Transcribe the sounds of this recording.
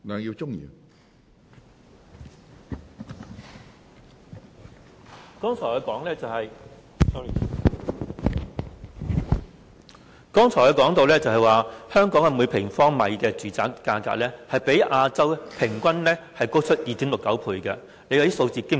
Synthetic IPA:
naː˨˧ŋjiː˧wt͡sʊ˥ŋḭ˨˩ | kɔː˥ŋt͡ʃʰɔː˨˩hɔː˨˧kɔː˨˥ŋlɛː˥t͡sɐ˨whɐ˨j | sɔ˥i˨˩˨ | kɔː˥ŋt͡sʰɔː˨˩hːkɔː˨˥ŋt̪o˨˧wlɛː˥t͡sɐ˨˧ɦɐ˨jwaː˨hœː˥ŋkɔː˨˥ŋɐ˨˧muː˨˧jpʰɪ˨˩ŋfɔː˥ŋmɐ˨˧jkɛː˧t͡syː˨˥t͡sa̰ː˨kːaː˧ka̰ː˧k̚lɛː˥hɐ˨jpe˨˥jʔaː˧t͡sɐ˥wpʰɪ˨˩ŋkʷɐ˥nlɛː˥hɐ˨jko˥wt͡ʃʰɵ˥t̚jiː˨t̪ʰiː˨˥mlʊ˨kːɐ˨˥wpʰuː˧jkɐ˧ | le˨˧jhɐ˨˥jso˧wt͡siː˨˧kɪ˥

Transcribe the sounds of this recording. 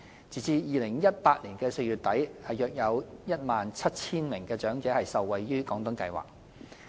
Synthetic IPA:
t͡siː˨t͡siː˧jiː˨lɪ˨˩ŋjɐ˥t̚paː˧t̚liː˨˩nkɛː˧se˧jyː˨˩t̚t̪ɐ˨˥jhɐ˨jœː˨k̚jɐ˨˧wjɐ˥t̚maː˨nt͡sʰɐ˥t̚t͡sʰiː˥nmɪ˨˩ŋkɛː˧t͡ʃœː˨˥ŋt͡sɛː˨˥hɐ˨jsɐ˨wːɐ˨jːyː˥kɔː˨˥ŋt̪ʊ˨˧˥ŋkɐ˧jwa̰ː˨k̚

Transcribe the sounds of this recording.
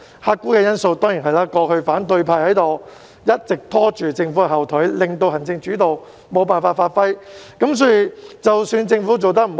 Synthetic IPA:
haː˧t̚kːuː˥kɛː˧jɐ˥nso˧wt̪ɔː˥ŋji˨˩nɦɐ˨˩jlaː˨˧kɔː˧hɵ˧faː˨˥nt̪ɵ˧ɥpʰaː˧jhɐ˨˥jt̪o˨w | jɐ˥t̚t͡sɪ˨k̚t̪ʰɔː˥t͡ʃyː˨t͡sɪ˧ŋfuː˨˥kɛ˧hɐ˨˩wt̪ʰɵ˨˥ɥlɪ˨ŋt̪o˧wɦɐ˨˩nt͡sɪ˧ŋt͡ʃyː˨˥t̪o˨w | mo˨˧wpaː˨nfaː˧tfaː˧t̚fɐ˥jkɐ˨˥ms̬ɔː˨˥jy˨t͡sɐ˨wsyː˧nt͡sɪ˧ŋfuː˨˥t͡so˨wt̪ɐ˥k̚m̩˨˩

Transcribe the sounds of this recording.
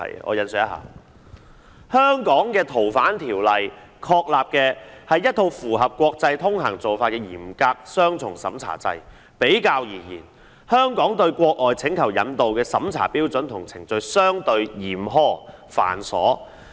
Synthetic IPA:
ɐ̰˨˩j̰ʔɔ̰ː˨˧jɐ˨nsœː˨˩jɐ˥ɦa̰ː˨˩ | hœː˥ŋkɔː˨˥ŋkɛː˧t̪ʰo˨˩wfaː˨˥nt̪ʰiː˨˩wlɐ˨j | kʰɔː˧˥k̚laː˨p̚kɛː˧hɐ˨jːɐ˥t̚t̪ʰo˧wfuː˨˩ɦɐ˨p̚kʷɔː˧k̚t͡sɐ˧jt̪ʰʊ˥ŋɦɐ˨˩ŋt͡so˨wfaː˧t̚kɛː˧jiː˨˩mkaː˧k̚sœː˥ŋt͡sʰʊ˨˩ŋsɐ̰˨˥mt͡sʰa̰ː˨˩t͡sɐ̰˧j | pe˨˥jkaː˧wjiː˨˩jḭː˨˩n | hœː˥ŋkɔː˨˥ŋt̪ɵ˧ɥkʷɔː˧k̚lɔː˨jt͡sʰɪ˨˥ŋkʰɐ˨˩wjɐ˨˧nt̪o˨wkɛː˧sɐ˨˥mt͡sʰa̰ː˨˩piː˥wt͡sɵ˨˥nt̪ʰʊ˨˩ŋt͡sʰɪ˨˩ŋt͡sɵ˧ɥsœː˥ŋt̪ɵ˧ɥjiː˨˩mɦɔː˥fa̰ː˨˩nsɔ̰ː˨˥

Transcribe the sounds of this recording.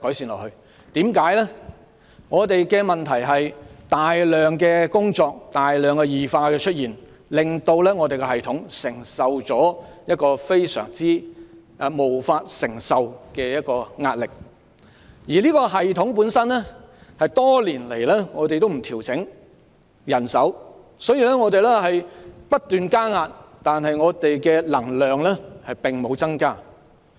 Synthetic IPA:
kɔː˨˥jsiː˨˧nlɔ̰ː˨˩hɵ˧ɥ | t̪iː˨˥mkaː˨˥jlɛː˥ | ŋɔː˨˧t̪e˨jkɛː˧mɐ˨nt̪ʰɐ˨˩jɦɐ˨jt̪aː˨jlœː˨ŋkɛː˧kʊ˥ŋt͡sɔː˧k̚t̪aː˨˩jlœː˨ŋkɛː˧jiː˨faː˧kɛː˧t͡ʃʰɵ˥t̚jiː˨˩n | lɪ˨ŋt̪o˧wlɛː˥ŋɔː˨˧t̪e˨kɛ˧ɦɐ˨jt̪ʰʊ˨˥ŋsɪ˨˩ŋsɐ˨wt͡sɔː˨˥jɐ˥t̚kɔː˧fe˥jsœ̰ː˨˩ŋt͡siː˥˧ | mo˨˩wfaː˧t̚sɪ˨˩ŋsɐ˨wkɛː˧jɐ˥t̚kɔː˧ŋaː˧t̚lɪ˨k̚ | jiː˨˩liː˥kɔː˧ɦɐ˨jt̪ʰʊ˨˥ŋpuː˨˥nsɐ˥nlɛ˥hɐ˨jt̪ɔː˥liː˨˩nle˨˩jlɛ˥ŋɔː˨˧t̪e˨jt̪o˥wm̩˨˩t̪ʰiː˨˩wt͡sʰɪ˨˥ŋ | jɐ˨˩nsɐ˨˥w | sɔː˨˥jiː˨˧lɛː˥ŋɔː˨˧t̪e˨jlɛ˥hɐ˨jpɐ˥t̚t̪yː˨nkaː˥ŋaː˧t̚t̪aː˨nɦɐ˨jŋɔː˨˧t̪e˨jkɛː˧lɐ˨˩ŋlœː˨ŋlɛː˥hɐ˨jpɪ˨˩ŋmo˨˧wt͡sɐ˥ŋkaː˥

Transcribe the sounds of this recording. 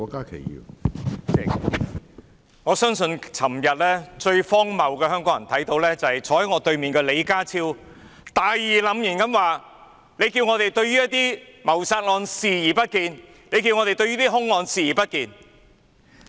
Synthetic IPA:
ɔː˧kaː˥kʰḛ˨˩jjḭː˨˧ | ɛ˨ | ŋɔː˨˧sœː˥ŋsɵ˧nt͡sʰɐ˨˩mjɐ˨t̚lɛː˥t͡ʃɵ˧ɥfɔː˥ŋmɐ˨wkɛː˧hœː˥ŋkɔː˨˧˥jɐ˨˩nt̪ʰɐ˨˥jt̪o˨˧wlɛː˥t͡sɐ˨˩hɐ˨jt͡ʃʰɔː˨˥ɐ˨˥ŋɔː˨˧t̪ɵ˧ɥmiː˨nkɛ˧le˨˧jkaː˥t͡sʰiː˥w | t̪aː˨jjiː˨lɐ˨˧mjyː˨˩nkɐ˨˥mwaː˨˩ | le˨˧jkiː˧wŋɔː˨˧t̪e˨jt̪ɵ˧ɥyː˥jɐ˥t̪iː˥mɐ˨˩wsaː˧t̚lɔː˨˧nsiː˨˩jiː˨˩pɐ˥t̚kiː˧n | le˨˧jkiː˧wŋɔː˨˧ɾe˨jt̪ɵ˧ɥyː˥t̪iː˥ɦʊ˥ŋlɔː˧nsiː˨˧jiː˨˩pɐ˥t̚kiː˨n

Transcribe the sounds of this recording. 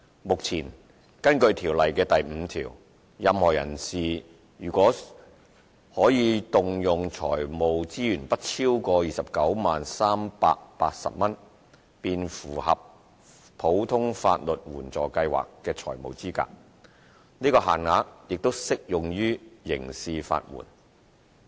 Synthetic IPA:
mʊ˨k̚t͡sʰiː˨˩n | kɐ˥nkɵ˧ɥt̪ʰiː˨˩wlɐ˨jkɛː˧t̪ɐ˨jm̩ː˨˧t̪ʰiː˨˩w | jɐ˨˧mhɔː˨˩jɐ̰˨˩nsiː˨ | jyː˨˩kʷɔː˨˥ | hɔː˨˥jiː˨˧t̪ʊ˨ŋjʊ˨ŋt͡ʃʰɔ̰ː˨˩jmo˨wt͡siː˥jyː˨˩npɐ˥t̚t͡sʰiː˥wkɔː˧jiː˨sɐ˨p̚kɐ˨˥wmaː˨nsaː˥mpa̰ː˧k̚pa̰ː˧t̚sɐ̰˨p̚mɐ˥n | piː˧nfuː˨˩hɐ˨p̚ | pʰo˨˥wt̪ʰʊ˥ŋfa̰ː˧t̚lɵ˨t̚wuː˨˩nt͡sɔː˨˩kɐ˧jwa̰ː˨˩kːɛː˧t͡sʰɔ̰ː˨˩jmo̰˨wt͡siː˥ka̰ː˧k̚ | niː˥kɔː˧ɦa̰ː˨˩nŋaː˨˧˥jɪ˨k̚t̪o˥wsɪ˥k̚jʊ˨ŋjyː˥jɪ̰˨˩ŋsiː˧fa̰ː˧t̚wṵː˨˩n

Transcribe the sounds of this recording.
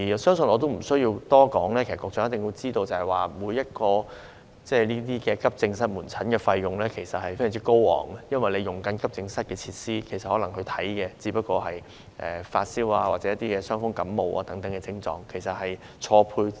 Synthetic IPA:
i˨˩˨sœː˥ŋsɵ˧nɔː˨˧t̪o˥wm̩˨˩sɵ˥ɥji˧wt̪ɔː˥kɔː˨˥ŋlɛː˥ke˨˩sɐ˨kwɔː˨kt͡sɔː˨˥jɐ˥t̪ɪ˨ŋwjiː˧t͡siː˥t̪o˧wt͡sɐ˨hɐ˨˩jwaː˨˩muː˨˧jːɐ˥t̚kɔː˧ | t͡sɛː˧˩niː˥t̪̬iː˥kɛː˧kɐ˥p̚t͡sɪ˧ŋsɐ˥t̚muː˨˩nt͡sʰɐ˨˥nkɛː˧fɐ˧jːʊ˨ŋlɛː˥kʰe˨˩jsɐ˨t̚hɐ˨jfe˥jŋt͡s̬i˥ko˥wwɔ̰ː˨˩ŋ˧jɐ˥nwɐ˨jle˨˧jʊ˨˩ŋkɐ˨˥nkɐ˥p̚t͡sɪ˧ŋsɐ˥t̚kɛː˧t͡sʰiː˧t̚siː˥kʰe˨˩sɐ˨t̚hɔː˨˥lɐ˨˩ŋhɵ˧jt̪ʰɐ˨˥jkɛː˧t͡siː˨˥pɐ˥t̚kɔː˧ɦɐ˨j | ʔɛ̰ː˨fa̰ː˧t̚siː˥waː˧waː˨˩t͡sɛ˨˦jɐ˥t̪iː˥kɛː˧sœː˥ŋfʊ˥ŋkɐ˨˥mmo˨˧wʔa̰ː˧t̪ɐ˨˥ŋt̪ɐ˨˥ŋkɛ˧t͡sɪ˥ŋt͡sɔ̰ː˨˧ŋkʰe˨˩jsɐ˨t̚hɐ˨j | t͡ʃʰɔː˧pʰuː˧j

